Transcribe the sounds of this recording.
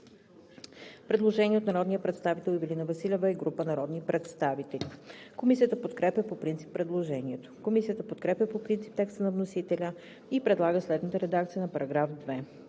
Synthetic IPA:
pɾɛd̪lˠoʒɛniɛot̪nɐɾɔd̪nijəpɾɛt̪st̪avit̪ɛlˠivilinɐvɐsilʲɛvəiɡɾupənɐɾɔd̪nipɾɛt̪st̪avit̪ɛlikomisijət̪əpot̪kɾɛpjəpopɾint̪si̥pːɾɛd̪lˠoʒɛniɛt̪o̥komisijət̪əpot̪kɾɛpʲəpopɾint̪si̥p̚t̪ɛkst̪ənɐvnosit̪ɛlʲə | ipɾɛd̪lˠaɡəslɛd̪nət̪əɾɛd̪akt̪sijənɐpɐɾɐɡɾafd̪vɛ

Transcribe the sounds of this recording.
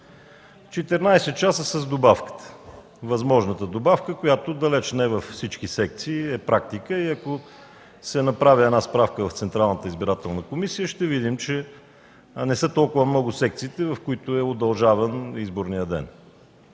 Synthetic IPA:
t͡ʃɛt̪ɛɾnajsɛt̪̚t͡ʃasəsɐzd̪obafkə̥t̪ə̥ | vɐzmɔʒnət̪əd̪obafkəkojat̪ʊd̪ɐlɛt͡ʃnɛvɐfːsit͡ʃkisɛk̚t̪siːɛpɾak̚t̪ikəiɐko | sɛnɐpɾaviɛnaspɾafkəvɐft̪sɛnt̪ɾalˠnət̪əizbiɾat̪ɛlˠnəkomisijəʃt̪ɛvid̪imt͡ʃɛ | nɛsɤt̪ɔlˠkʊvəmnɔɡʊsɛk̚t̪siːt̪ɛvɐfkʊit̪ʊɛod̪ɐlˠʒavənizboɾnijəd̪ɛ̰n

